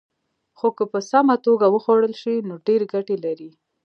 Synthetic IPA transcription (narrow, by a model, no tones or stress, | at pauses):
xokəpəsamat̪oɡawəxwaɽəlʃinoɖeɾeɡaʈelaɾi